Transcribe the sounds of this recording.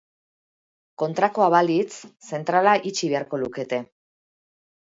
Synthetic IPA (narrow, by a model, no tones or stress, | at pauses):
ko̞nt̪ɾako̞aβalit͡sse̞nt̪ɾalaʔit͡ʃiβe̞aɾko̞luke̞t̪e̞